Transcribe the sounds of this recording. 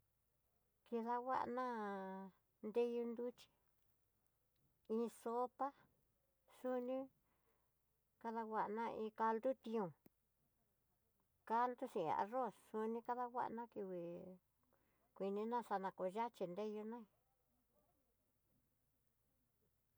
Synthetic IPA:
ki˧ða˧wa̰˦ʔnã˦ | nd̪e˦ju˧nd̪u˦t͡ʃi̥˧ | ĩ˧so˦pa˦ | su˦nĩ˦ | ka˧ða˧wa˧ʔnã˧ĩ˧ka˧ld̪u˦t̪ĩ˧ũ˨ | ka˦lt̪u˦sḭ̃˧˨˧a̰˧ro˦˨ssu˧nĩ˧ka˦ða˧wʷa̰˦ʔnã˦ki˧wi˨ | kʷi˧nĩ˧˦nã˦sa˧nã˧˨ko˨ʒa˦t͡ʃi˧nd̪e˦ju˧nã˦ĩ˧˨

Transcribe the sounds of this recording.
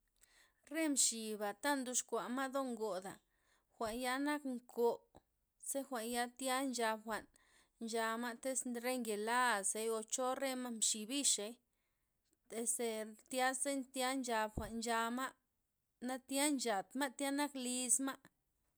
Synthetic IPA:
ɾe˦mʃi˨ba˨t̪a˦nd̪u˧˦ʂkʷa˨ma˦d̪o˦ŋɡo˨d̪a˨ | xʷa˨ʔnja˦na˦kŋko˨ | se˦xʷa˨ʔnja˦t̪ja˦nd͡ʒa˧bxʷa˨ʔn | nd͡ʒa˧ma˦t̪e˦sɾe˦ŋɡe˨la˦se˧jo˧t͡ʃo˦ɾe˦ma˦mʃi˨bi˦ʃe˧j | t̪e˨se˧t̪ja˦se˦nt̪ja˦nd͡ʒa˧bxʷa˨ʔnnd͡ʒa˧ma˦ʔ | na˦t̪ja˦nt͡ʃa˨t̪ma˦t̪ja˦na˦kli˧sma˦ʔ

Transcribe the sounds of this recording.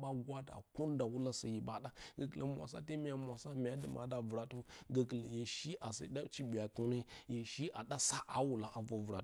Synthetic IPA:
ɓa˦ɡʷa˦da̰˨ko˦n˦da˨wu˦la˦sa˨ji˨ba˨ɗa˦ɡə˨kə˨lə̰˨mʷ˨a̰˨sa̰˦te˦mi˦ja˨mʷ˨a˨sa˦m˨a˦di˨mʔa̰˨da˨və˨ɾa˨to˦ɡə˨kə˨la˨je˨ʃi˦ʔa˨sa̰˨˦ɗa˦t͡ʃi˦bi˨a˨ku˦ne˦je˨ʃi˦ʔa˨ɗa˦sa˦ʔa˨wu˨la˨ʔa˨vo˨vu˨ɾa˨

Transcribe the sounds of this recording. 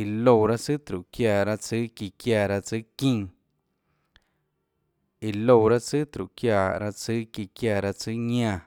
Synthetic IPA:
i˨lo˧˨wɾa˦t͡sɨ˦t̪ɾu˨kja˧˨ɾa˧t͡sɨ˦ki˧kja˧˨ɾa˧t͡sɨ˦kĩː˦˧ | i˨lo˧˨wɾa˦t͡sɨ˦t̪ɾu˨ʔkja˧˨ɾa˧t͡sɨ˦ki˧kja˧˨ɾa˧t͡sɨ˦ɲã˧˨

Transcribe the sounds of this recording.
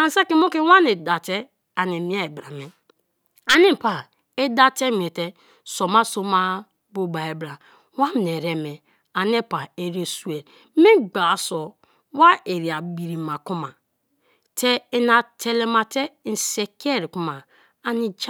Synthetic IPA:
a˨n˨sa˦ki˦mo˦ki˦wa˦ne˨da˨te˦ | a˨ni˨mi˦a˦e˨bɾa˨me˦ | a˨ni˦˨pa˨ | e˦da˦te˦m˨e˨te˦ | so˨ma˦so˦ma˦ | bo˦ba˨e˨bɾa˨ | wa˦m˨ne˨ɾe˦me˨ | a˨n˦e˦pa˨e˨ɾe˦su˦e˨l | mi˦ɡ͡ba˨sɔ˨ | wa˦e˨ɾi˨a˨ɡ͡bi˨ɾi˨ma˨ku˦ma˨ | tʰe˦e˨na˨tʰe˨le˨ma˨te˦˨n˨se˨ke˦˨ɾi˨ku˦ma˨ | a˨ni˨d͡ʒ

